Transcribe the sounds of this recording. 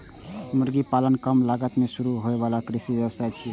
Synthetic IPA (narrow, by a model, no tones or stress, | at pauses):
muɾɡipalənkəmlaɡət̪mesuɾuɦoebalakɾisibjəbəsajt͡ʃʰi